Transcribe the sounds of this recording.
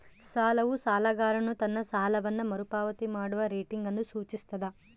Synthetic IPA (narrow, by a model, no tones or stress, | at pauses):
saːlɐʋusaːlɐɡaːɾɐnut̪ɐnːɐsaːlɐʋɐnːɐmɐɾupaːʋɐt̪imaːɽuʋɐɾeːʈiŋɡɐnːusuːt͡ʃist̪ɐd̪ɐ